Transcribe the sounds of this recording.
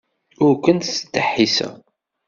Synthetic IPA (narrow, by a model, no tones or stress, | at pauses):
ʊɾkənt̪st̪ːəħːisæ̰